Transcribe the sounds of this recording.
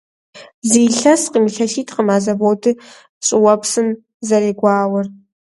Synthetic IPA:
ziːɬɐsqimiɬɐɬiːtʰqəmaːzɐboːdɨ | ɕʼɪwɐpsɨm | zɐɾeːɡʷɑaːwɐr

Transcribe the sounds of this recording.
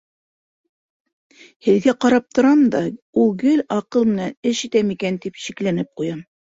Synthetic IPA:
hɘ̆ðɡæqɑɾɑp̚t̪ŏɾɑmd̪ɑ | ulˠɡɘlɑqɤlˠmɘ̆nænɘʃit̪æmikænt̪ipi̥ʃɘ̆klænɘp̚qujɑm

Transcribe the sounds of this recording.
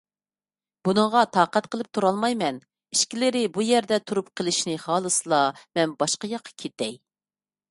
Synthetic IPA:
b̥unɨŋʁɑt̪ʰɑːqɛt̪̚qʰəlˠɨp̚t̪ʰuɾɑlˠmɑjmɛn | iʃkʲilɪɾɪbujɛɾd̪ɛt̪ʰuɾup̚qʰəlˠɪʃnɪχɑːlˠɨsɨlˠɑmɛnbɑʃqɑjɑqʰːɑ̥kʲʰet̪ɛj

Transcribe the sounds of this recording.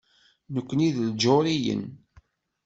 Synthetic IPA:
nəkʷːniðld͡ʒoɾijə̰n

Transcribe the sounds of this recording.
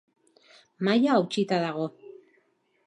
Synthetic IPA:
majaːwt͡ʃit̪aðaɣo̞

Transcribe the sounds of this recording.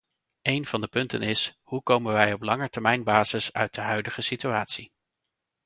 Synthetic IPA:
ejnv̥ɑndəpɵntə̰nɪshukowmənʋɛjɔplɑŋəɹtɛɹmɛjnbaːzɪsœ̰ɥt̚dəɦœɥdəχəsityaːtsi

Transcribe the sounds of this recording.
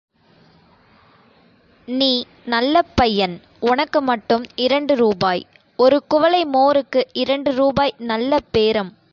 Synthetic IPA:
niː | nɐlːɐpːɐjːɐn | ʊnɐkːɯmɐʈːɯmɪɾɐɳɖɯɾuːbaːj | ɔɾɯkʊʋɐlɐɪmoːɾɯkːɯʔɪɾɐɳɖɯɾuːbaːjnɐlːɐpeːɾɐm

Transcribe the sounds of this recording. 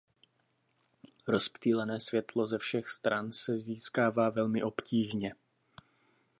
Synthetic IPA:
ɾo̞spt̪iːlɛnɛːsvjɛt̪lo̞zɛfʃɛxst̪ɾʔansɛziːskaːvaːvɛlmɪʔo̞pciːʒɲɛ

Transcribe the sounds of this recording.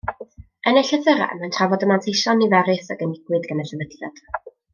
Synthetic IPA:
ənɛɬəθəɾa̰mantʰravɔdəmantʰejʃɔnivɛɾɨθaɡənɪɡ̥wɨðɡənɛɬəvətʰɛ̰d̥

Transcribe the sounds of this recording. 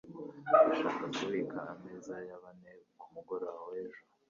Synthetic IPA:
βaʃaːkakuβikʰaːmezajaβaneβkumuɡoɾaweʒo

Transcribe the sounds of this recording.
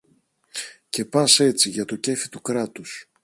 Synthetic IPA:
ce̞pɐse̞t͡siʝɐt̪o̞ce̞fi̥t̪ukɾɐt̪us

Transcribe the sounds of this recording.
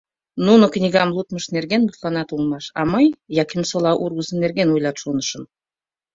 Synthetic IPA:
nunokʲnʲiɡɑmlˠut̪məʃnerɡʲenbut̪lˠɑnɑt̪ulˠmɑʃɑ̰mɑjjɑkʲʰimʲsolˠɑʔuɾɡuzənerɡʲenujlˠɑt̪ʃunɤʃɤ̆n

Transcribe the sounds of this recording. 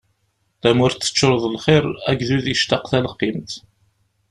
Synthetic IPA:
θæmʊɾt̪ːə̥t͡ʃːəɾˤðˤlχɪɾˤæɡðuðiʃt̪ɑqθæləqːimt̪

